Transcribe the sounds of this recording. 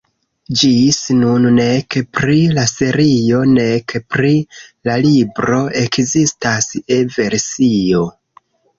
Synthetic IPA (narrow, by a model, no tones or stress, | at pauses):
d͡ʒisnunnekpɾilase̞ɾio̞nekpɾilalibɾo̞e̞kzistaseve̞ɾsio̞